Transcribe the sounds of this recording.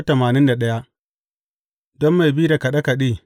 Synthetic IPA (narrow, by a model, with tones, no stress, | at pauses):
tɐ˨maː˨nɪ˦nda˨ɗɐ˦ja˦ʔ | dɔ˦mːa˨jbiː˦da˨ka˨ɗɐ˦ka˨ɗiː˦˨